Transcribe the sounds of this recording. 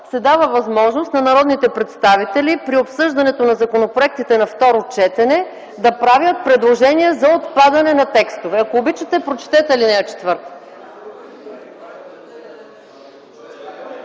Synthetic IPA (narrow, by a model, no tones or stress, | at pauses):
sɛd̪avəvɐzmɔʒnost̪nɐnɐɾɔd̪nit̪ɛpɾɛt̪st̪avit̪ɛlipɾiopsɤʒd̪ɐnɛt̪onɐzɐkonopɾoɛk̚t̪it̪ɛnɐft̪ɔɾot͡ʃɛt̪ɛnɛ | d̪ɐpɾavjət̪̚pɾɛd̪lˠoʒɛniɛzɐot̪pad̪ɐnɛnɐt̪ɛkst̪ovɛɐkoːbit͡ʃət̪ɛpɾot͡ʃɛ̥t̪ɛt̪ɛlinɛət͡ʃɛ̥t̪vɤɾt̪